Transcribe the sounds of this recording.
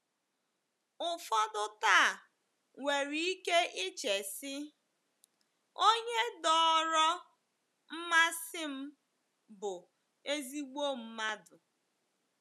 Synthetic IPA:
ʊ˨fɔ˦dʊ˦ta˦˨ | ŋe˨ɾi˨i˦ke˦ʔɪ˦t͡ʃe˨sɪ˦ | o˦ɲe˦dɔ˨˦˨ɾɔ˦ | m̩˦ma˦sɪ˦m̩˦ | bʊ˨ | e˦zi˦ɡ͡bo˦m̩˦ma˦dʊ˨

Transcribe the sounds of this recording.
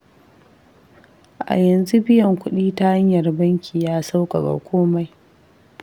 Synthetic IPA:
ʔa̰˨jɐ˨nzu˦bɪ˦jɐ˨ŋkʷʊ˦ɗiː˦ta˦ha˦ɲjɐ˨rbɐ˦ŋkʲʰiː˨jaː˦sa˦wkʼa˨ɡa̰˨kʷʰoː˦ma˨˦j

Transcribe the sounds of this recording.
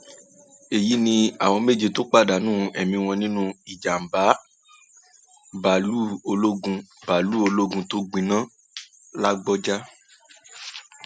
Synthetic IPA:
e˨ji˨˦nĩ˧a˨w̃ɔ̃˧me˦˨d͡ʒe˧to˦k͡pa˦˨da˨˦nũː˦ɛ˨mĩ˧w̃ɔ̃˧nĩ˦nũ˦i˨d͡ʒa˨m̩˨ba˨˦ | ba˨lu˦o˧lo˦ɡũ˧ba˨lu˨˦o˧lo˦ɡũ˧to˦ɡ͡bĩ˧nã˦ | la˦ɡ͡bɔ˦d͡ʒa˦

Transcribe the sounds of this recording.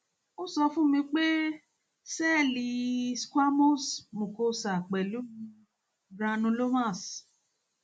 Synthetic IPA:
o˦sɔ˧fũ˦mĩ˧k͡pe˦ | sɛ˦˨li˧skʷa˦mo˦˨smũ˨ko˧sa˨k͡pɛ˨lu˨˦ | ɾa˧nũ˧lo˦mã˦˨s

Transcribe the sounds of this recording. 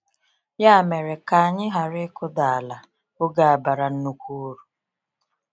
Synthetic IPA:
ja˦a˦˨me˨ɾe˨ka˨a˨ɲɪ˦ɦa˨ɾɪ˦kʊ˦da˨a˨la˨ | o˦ɡa˨a˨ba˨ɾa˨n̩˦nu˦kʷu˦o˦ɾu˨

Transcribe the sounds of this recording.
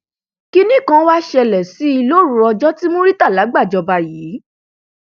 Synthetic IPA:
ki˦nĩ˦˨kã˧˦wa˦ʃɛ˧˨lɛ˨si˨˦i˧lo˦ɾũ˧ɾɔ˧d͡ʒɔ˦ti˦mõ˦ɾi˦ta˦˨la˨˦ɡ͡ba˦˨d͡ʒɔ˧ba˧jiː˨˦

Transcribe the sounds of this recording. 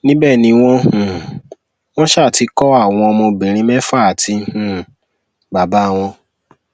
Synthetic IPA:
nĩ˦bɛ˦˨nĩ˧w̃ɔ̃˧hũ˨ | w̃ɔ̃˦ʃa˦˨ti˧˦kɔ˦a˦˨w̃ɔ̃˧ɔ˧mõ˧bĩ˨ɾ̃ĩ˧˦mɛ̃˦fa˦˨ti˧hũ˨ | ba˨ba˨˦˨w̃ɔ̃˧

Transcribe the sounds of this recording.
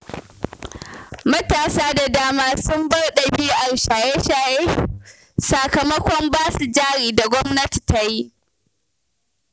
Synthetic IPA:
mɐ˦taː˨saː˦da˨daː˦maː˦sʊ˦mbɐ˦rɗɐ˨bɪ˦u˦ʔa˨ɽʃaː˨jeː˦ʃaː˨jeː˦ | sɐ˨kɐ˨mɐ˦kʷɔ˦mbaː˦su˨d͡ʒaː˦ɽiː˨da˨ɡʷɔ˦mnɐ˦ti̥˨ta˨ji˦ʔ

